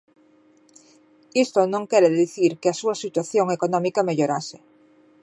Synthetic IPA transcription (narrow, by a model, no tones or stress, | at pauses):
ist̪onõŋkeɾeðiθiɾkeasuasit̪waθjoŋekonɔ̃mikameʎoɾase